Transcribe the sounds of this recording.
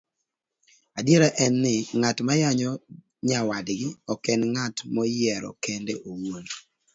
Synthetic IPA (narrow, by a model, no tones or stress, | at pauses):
adjeɾaʔɛnːɪŋatmajaɲɔ | ɲawadɡɪɔkɛnŋatmɔjɛɾɔ̰kendeʔowon